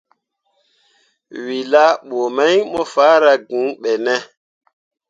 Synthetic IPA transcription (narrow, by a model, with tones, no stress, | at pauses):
wi˨la˦ɓo˨ma˦jmɔ˦faː˦ɾa˦ɡũ˨˦ɓɛ˨nɛ˦